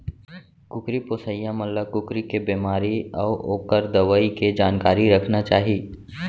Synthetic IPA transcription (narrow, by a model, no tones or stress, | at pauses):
kʊkɾipoːsəjãmɐlːəkʊkɾikebeːmaːɾiɔːɾoːkəɾd̪ɐʋaːiked͡ʒaːnkaːɾiɾɐkʰnat͡ʃaːɦiː